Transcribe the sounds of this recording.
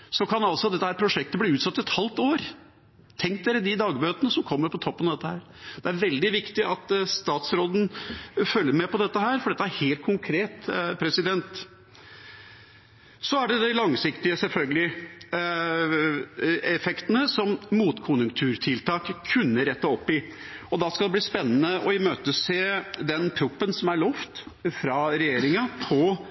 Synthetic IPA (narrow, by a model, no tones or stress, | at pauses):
sɔkʰɑnɑlsɔd̪ɛt̪ːəhæːɾpʰɾʊʂɛk̚t̪əbliːʉːt̪sɑt̪ːɪɛt̪hɑlt̪oːɾ | t̪ʰɛŋk̚d̪eːɾəd̪ɪd̪ɑːɡbøːt̪ənəsɔmkʰɔmːəɾpʰɔt̪ʰɔpːənɑd̪ɛt̪ːəhæːɾ | d̪̥ɛæɾʋɛld̪ɪʋɪkt̪ɪʔɑt̪st̪ɑːt̪sɾoːd̪n̩fœlːəɾmɛpɔd̪ɛt̪ːəɦæːɾfɔɖɛt̪ːəæɾheːlt̪̚kʰʊŋkʰɾeːt̪pʰɾɛsɪd̪ɛnt̪ | sɔæɖɛd̪æɪlɑŋsɪkt̪ɪəsɛlfœlɡəlɪ | ɛfɛkt̪ənəsɔmmuːt̪kʰʊnjʉŋkt̪ʰʉːɾt̪ʰɪlt̪ʰɑːkkʰːʉnːəɾɛt̪ːəɔpːɪ | ɔd̪ɑskɑld̪ɛb̪liːspɛnːənəʔɔɪmøːt̪əseːd̪ɛnpʰɾʊpːənsɔmæɭɔft̪fɾɑːɾɛjeːɾɪŋɑpʰɔ